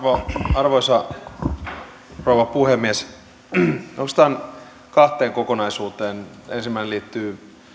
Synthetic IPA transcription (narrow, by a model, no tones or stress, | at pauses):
ʋoɑrʋoisɑ | rowʋɑpuhemːies | ost̪ɑn | kɑht̪ˑeːŋkokonɑisuːt̪eːnensimːæineliːt̪ːyː